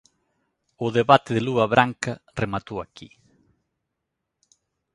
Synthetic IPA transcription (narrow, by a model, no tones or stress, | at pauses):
ʊðeβat̪ɪðɪluɐβɾʔaŋkɐremat̪owakḭ